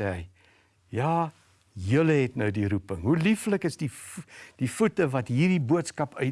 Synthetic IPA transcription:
ɛɦəj | jɑː | jələɦɛtnəwdiɾupəŋɦulifləkəsdid̥ifutəvɐtɦiːrdibuətskɐpœ

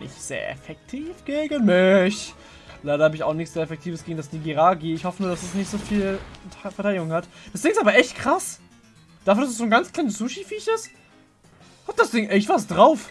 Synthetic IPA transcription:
nʔɪ̰çz̥ḛːɐʔɛ̰fɛk̚tʰiːfɡ̥eːɡənmɪç | laɪɾɐhaːbəɪçaʊxnɪçtz̥eːɐɛfɛk̚tʰiːvəsɡ̥eːɡŋ̩dasniːɡiʁaːɡiɪçhɔfənuːɐdasɛsnɪçtz̥oːfiːlʰfɛɐtʰaɪdɪɡʊŋhatd̥asd̥ɪːŋɪstaːbɐʔɛçtkʰʁ̥as | d̥aːfyːədasɛsz̥oːnɡant͡skl̥aɪnəsz̥uʃifiːçɪst | hat̚d̥asd̥ɪŋʔɛçtvas̬d̥ʁaʊf

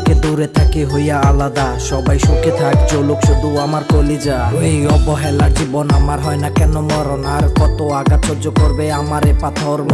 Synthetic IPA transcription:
ked̪uɾet̪ʰakeɦojaalad̪aʃɔbajʃoket̪ʰakd͡ʑolokʃud̪uamaɾkolid͡ʑaejɔbɔɦalaʈʰibɔnamaɾɦɔenakɛnomɔɾonaɾkɔt̪oaɡat͡ʃʰoɾd͡ʑokoɾbeamaɾepat̪ʰoɾm

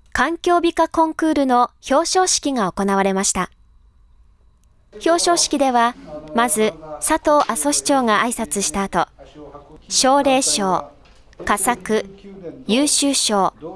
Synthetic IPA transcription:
kãŋkʲo̞ːbʲikakõ̞ŋkɯ̟ːɾɯ̟no̞ço̞ːɕo̞ːɕi̥kʲiŋao̞ko̞naβ̞aɾe̞maɕi̥t̪a | ço̞ːɕo̞ːɕi̥kʲid̪e̞βamazɨsat̪o̞ːʔaso̞ɕi̥t͡ɕo̞ːŋaʔaisat͡sɨɕi̥t̪aːt̪o̞ | ɕo̞ːɾe̞ːɕo̞ː | kasakɯ̟jɯːɕɨːɕo̞ː

